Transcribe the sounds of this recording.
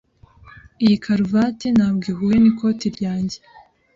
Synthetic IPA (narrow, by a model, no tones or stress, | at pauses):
ijikʰaɾuvatenaːb̚ɡiːɦujeniko̞ːtiɾɟaːɲɟe